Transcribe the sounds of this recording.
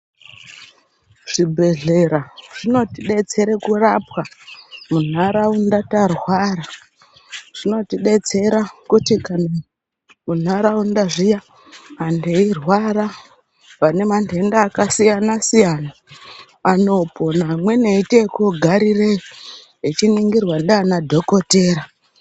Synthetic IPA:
ʐ̥ibʱe̞ɮe̞ɾaʐ̥ino̞tiɗe̞t͡se̞ɾekurapwamun̤aɾaundatarwaɾa | ʐ̥ino̞tiɗe̞t͡se̞ɾakutikana | mun̤aɾaundaʐija | mandeirwaɾa | ʋane̞mande̞ndaːkasijanasijana | ano̞po̞namwe̞neite̞koɡʱaɾire | it͡ʃiniŋɡirwandaanadʱo̞ko̞te̞ːra

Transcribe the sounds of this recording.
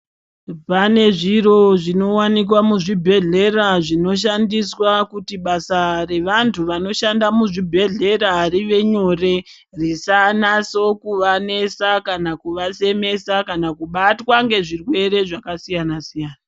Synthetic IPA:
pane̞ʐiro̞ʐino̞wanik̬wamuʐibʱe̞ɮe̞raʐino̞ʃ̬andiswakutiɓasare̞ʋantʰuʋano̞ʃandamuʐibʱe̞ɮe̞ɾaɾiʋe̞ɲo̞re̞ | risanaso̞kuʋane̞sakanakuʋase̞me̞sakanakuɓatwaŋɡe̞ʐirwe̞ɾe̞ʐakasijanasijaːna

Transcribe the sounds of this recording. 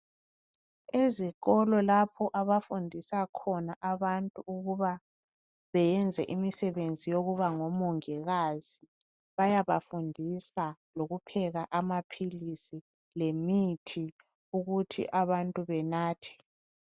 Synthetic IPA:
eziɣɔlɔlapʰɔʔaβafundʱisakʰɔnaʔaβantʼuːɣuβa | βɛjɛnd͡zʱɛʔimisɛβend͡zʱijoɣuβaŋɔmuŋɛɣaz̥i | βajaβafundʱisa | loɣupʰɛɣaʔamapʰilisi | lemitʰi | uɣutʰḭʔaβantʼuβɛnaːtʰɛ̥

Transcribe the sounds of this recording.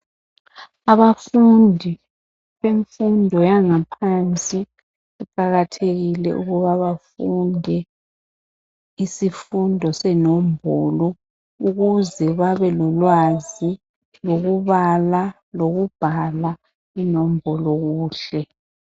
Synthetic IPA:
aβafundʱi | βeɱfundʱɔjaŋapʰant͡sʼi | uǃʼaɣatʰeɣilɛ̰ʔṵɣuβaβafundʱɛ | isifundʱɔsɛnɔm̩bʱɔlɔ | uɣuzɛβaβɛlɔlwazi | loɣuβala | loɣub̥ʱala | inom̩bʱɔlɔɣuːɬɛ

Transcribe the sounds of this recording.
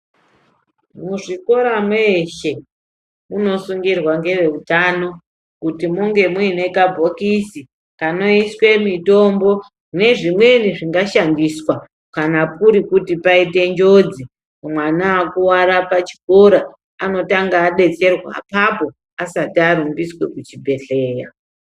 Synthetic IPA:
muʐiko̞ɾamweʃe | muno̞suŋɡirwaŋɡe̞ʋe̞utano̞ | kutimuŋɡe̞muine̞kabʱo̞kisi | kano̞iswe̞mito̞mbo̞ | une̞ʐimwe̞niʐiŋɡaʃandiswa | kanapuɾikutipaite̞nd͡ʒo̞d͡zi | mwanaːkuwaɾapat͡ʃi̥ko̞ɾa | ano̞taŋɡaːɗe̞t͡se̞rwa̰papo̞ | asatiaɾumbiswe̞kut͡ʃibʱe̞ɬe̞ːja

